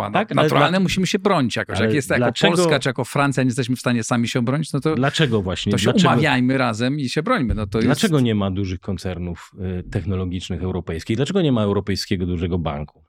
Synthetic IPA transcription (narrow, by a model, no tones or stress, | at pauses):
a̰t̪aknat̪uɾalnɛmuɕimɘɕɛbɾɔɲit͡ɕjakɔɕjakjɛst̪jalɔɛɔlsskaʈ͡ʂɨjakɔfɾant̪sʲjaɲɛst̪ɛɕ̬mɘfst̪aɲɛsamʲiɕɛɔbɾɔɲit͡ɕnɔt̪ɔd̪lat͡ʂɛɡɔvwaɕɲɛt̪ɔɕɛumavʲjajmɘɾazɛmiɕɛbɾɔɲmɘnɔt̪ɔjɛlast͡ʂɛɡɔɲɛmad̪uʐɘxkɔnt̪sɛɾnuft̪ɛxnɔlɔɡʲit͡ʂnɘxɛwɾɔpɛjskʲiɣd̪lat͡ʂɛɡɔɲɛmaɛwɾɔpɛjskʲɛɡɔd̪uʐɛɡɔba̰ŋku̥